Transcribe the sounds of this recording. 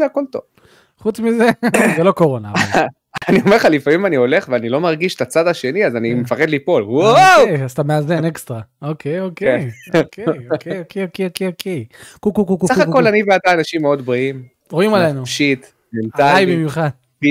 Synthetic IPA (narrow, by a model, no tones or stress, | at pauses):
eako̞lt̪ov | χut͡smizezelo̞ko̞ʁo̞naa | aniomeʁχalifamimanio̞le̞χveanilo̞maʁɡiʃe̥t̪at͡sad̪aʃe̞niazanimefaχed̪lipo̞lwowast̪ameazenekstʁaokʰejokejokʰejokejokeokeokeokʰejkukukukusauχakko̞llaniveat̪aːnaʃimːeo̞d̪bʁiim | ʁoimalenuʃit̪ | mentaajbimjuχad̪̥